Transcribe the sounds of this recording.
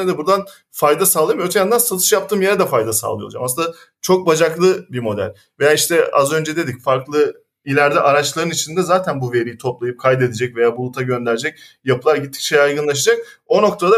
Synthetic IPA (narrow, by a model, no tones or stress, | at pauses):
d̪ɛbuɾd̪an | fajd̪asalˠaɯjmøt̪ʰjamnd̪ansat̪ʰɯ̥ʃjap̚t̪ʰɯːmjeɾɛd̪ɛfajd̪asa̰lˠɯjo̰ud͡ʒamasɯnd̪a | t͡ʃʰo̞k̚bad͡ʒaklˠɯbimo̞d̪æ̰lʲ | vejaːiʃt̪ʰɛa̰zø̞nd͡ʒɛd̪e̞d̪icfaɾklˠɯ | ilʲæɾd̪ɛʔaɾat͡ʃlˠaɾɯnit͡ʃʰind̪ɛzaːt̪ʰænbuve̞ɾijit̪ʰo̞plˠajɯp̚kʰajd̪e̞d̪ed͡ʒɛcve̞jaːbulˠut̪ʰaɟø̞nd̪æɾd͡ʒɛc̚ | japʰɯlˠaɾɟit̪ʰːi̥ct͡ʃʰejajɡɯnlˠaʃ̬ad͡ʒak̚o̞no̞k̚t̪ʰad̪a